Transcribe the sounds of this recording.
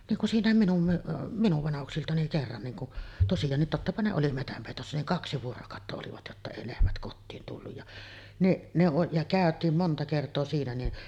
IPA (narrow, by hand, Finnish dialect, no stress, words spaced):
niːŋ kun siːnˑæˑem minum m minuʋ ʋɑnɑhuksiltɑ niŋ kerːɑn niːŋ kuʔ tosijɑːnːit totːɑpɑ ne oli metæmpeˑitosːɑ niŋ kɑksi ʋuorokɑˑotːɑ oliʋɑt jotːɑ eˑi lehmæt kotːiːn tulːuj jɑ niʔ ne oʔ jɑ kæˑøtˑiːm montɑ kertˑoː siːnæ ni